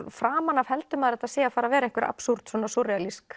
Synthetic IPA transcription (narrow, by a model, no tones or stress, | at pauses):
fɾaːmanavhɛlt̪ʏmaðɾɛht̪aðseːjafaːɾavɛːɾɛjŋkvɛɾʔa̰psuɾ̥t̪svɔːnasɔrɪalisk